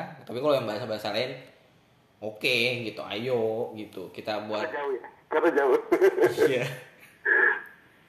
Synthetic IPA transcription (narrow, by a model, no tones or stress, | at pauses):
t̪apikalojaŋbaɦasabaasalaɪn | okeɡit̪ua̰joʔɡit̪ukit̪abuad͡ʒaua | kaɾad͡ʒaʊja